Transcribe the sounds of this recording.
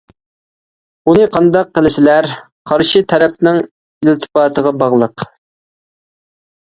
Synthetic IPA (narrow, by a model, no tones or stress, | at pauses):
unɨqʰɑnd̪ɑqːəlɪsɪlæɾ | qʰɑɾʃit̪ʰɛɾɛp̚nɪŋ | ilt̪ʰɪ̥pɑːt̪ʰəʁɑbɑʁlˠəq